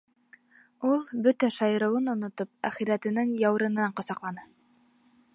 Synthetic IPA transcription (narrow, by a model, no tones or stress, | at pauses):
ulˠbɵt̪æʃɑjɤ̆ɾɤ̆wɤnŏnŏt̪op̚æ̰χiɾæt̪ɘ̆nɘŋjɑwɾɤ̆nɤɑɴqŏsɑqlˠɑnɤ